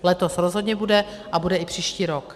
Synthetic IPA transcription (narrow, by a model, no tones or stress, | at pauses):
lɛt̪o̞sɾozɦodɲɛbudɛ | ʔabudɛɪpr̝̥iːʃciːɾok